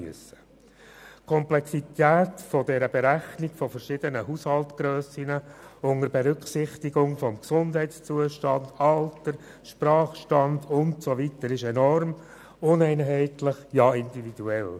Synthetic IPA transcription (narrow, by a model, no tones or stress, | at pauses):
yəsə̥ | kʰɔmplɛksit̪æːtfɔdɛɾəbɛɾæχniɡ̥fɔfəɾʃɪdənəɦushɑltɡ̥ɾøːsinəʊŋəɾbeɾʏkχsɪχtiɡʊŋfɔmksʊndɦɛɪtst͡suəʃtɑndɑltəɾ | ʃpɾɑːχʃtɑndʊntsovitəɾɪʃɛnɔrm | ʊnɛɪnɦɛɪtlɪχjɑɪndividuɛl